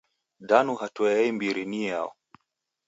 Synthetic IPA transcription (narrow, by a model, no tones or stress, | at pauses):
danuɦatɔɛɛimbiɾinia̰ɔ̰